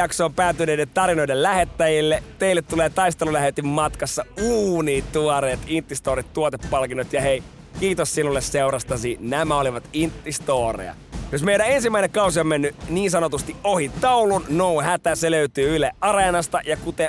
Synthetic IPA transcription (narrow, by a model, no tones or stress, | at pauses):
ɑksoːmpæːt̪ːyneidet̪ɑɾinoidellæhet̪ːæjilːet̪eilːet̪t̪ːuleːt̪ɑist̪elulæhet̪ymmɑt̪kɑsːɑuːniːt̪uoɾeːt̪int̪ːist̪oːɾit̪t̪uot̪epːɑlkinːot̪jɑhei | kiːt̪ossinulːesseurɑst̪ɑsinæmæoliʋɑt̪int̪ːist̪oːrḛjɑ̰ | josmeidæensimːæineŋkɑusiomːenːyniːnsɑnot̪ust̪iʔʔohit̪ɑulunnouhæt̪æseløyt̪yːyleʔʔɑrenɑst̪ɑjɑkut̪e